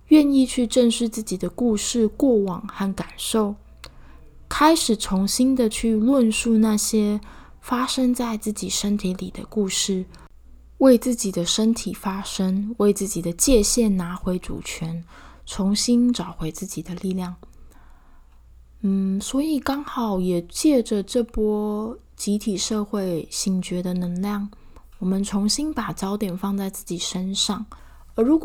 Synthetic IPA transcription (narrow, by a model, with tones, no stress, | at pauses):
ɥɛ˥˧ni˥˧t͡ɕʰy˥˧ʈ͡ʂə˥˧nʂɻ̩˥˧t͡sɹ̩˥˩t͡ɕi˨˩d̪ə˦ku˥˧ʂɻ̩˥˧kwɔ˥˩wɑ˨˩ŋxa˥˩nka˨˩nʂo˥˩ʊ | kʰa˥ɪʂɻ̩˨˩t͡sʰʊ˧˥ŋɕi˥nd̪ə˨t͡ɕʰy˥˧lwə˥˧nʂu˥˧na˥˩ɕjɛ˥ | fa˥ʂə˥ŋt͡sa˥˧ɪt͡sɹ̩˥˩t͡ɕi˨˩ʂə˥nt̪ʰi˧˥lḭ˨˩d̪ə̰˦ku˥˧ʂɻ̩˥˩ | we˥˧ɪt͡sɹ̩˥˩t͡ɕi˨˩d̪ə˦ʂə˥nt̪ʰi˨˩fa˥ʂə˥ŋwe˥˧ɪt͡sɹ̩˥˩t͡ɕi˨˩d̪ə˦t͡ɕjɛ˥˧ɕjɛ˥˩nna˧˥xwe˧˥ɪʈ͡ʂṵ˨˩t͡ɕʰɥɛ˧˥nt͡sʰʊ˧˥ŋɕi˥nʈ͡ʂɑ˨˩ʊxwe˧˥ɪt͡sɹ̩˥˩t͡ɕi˨˩d̪ə˦li˥˧ljɑ˥˩ŋ | n̩˥˩swɔ˧˥i˨˩kɑ˥ŋxɑ˨˩˦ʊjɛ˨˩t͡ɕjɛ˥˩ʈ͡ʂə˨ʈ͡ʂɤ˥˩pwɔ˥ | t͡ɕi˧˥t̪ʰi˨˩ʂɤ˥˧xwe˥˩ɪɕi˧˥ŋt͡ɕɥɛ˧˥d̪ə˧nə˧˥ŋljɑ˥˩ŋ | wɔ˨˩mə˦nt͡sʰʊ˧˥ŋɕi˥npa˨˩t͡ɕjɑ˥ʊt̪jɛ˨˩nfɑ˥˧ŋt͡sa˥˧ɪt͡sɹ̩˥˩t͡ɕi˨˩ʂə˥nʂɑ˥˩ŋ | ə˧˥ɻu˧˥k